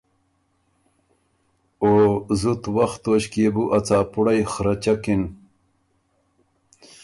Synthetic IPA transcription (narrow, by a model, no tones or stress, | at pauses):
oːzut̪wɐxt̪oːɕkeːbuʔɐt͡saːpuɽajxɾɐt͡ɕɐkin